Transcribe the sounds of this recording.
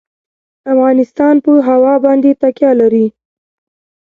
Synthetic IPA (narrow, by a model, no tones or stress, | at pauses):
afɣɑnɪst̪ɑnpəɦawɑbɑnd̪et̪akjɑlaɾi